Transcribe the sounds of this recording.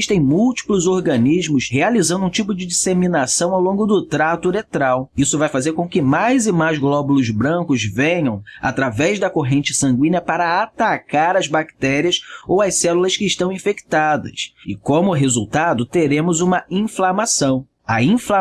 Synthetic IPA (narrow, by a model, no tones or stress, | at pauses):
iʃt̪ẽj̃muwt͡ʃi̥plʊzoɾɡɐ̃niʒmʊshealizɐ̃nd̪ʊũt͡ʃipʊd͡ʒɪd͡ʒiseminasɐ̃w̃awlõɡʊd̪ʊt̪ɾat̪ʊɾet̪ɾawisʊvajfazeɾkõkɪmajzɪmajzɡlɔbulʊzbɾɐ̃kʊzvẽɲɐ̃w̃a̰t̪ɾavɛzd̪ɐkoɦẽnt͡ʃɪsɐ̃ŋɡwĩnɐpaɾɐat̪akaɾɐzbakt̪ɛɾiɐsowɐjsɛlulɐskɪːʃt̪ɐ̃w̃ĩfekt̪ad̪ɐ̰sɪkõmʊɦezuwt̪ad̪ʊt̪eɾẽmʊzũmɐĩflamasɐ̃w̃ | ɐĩfla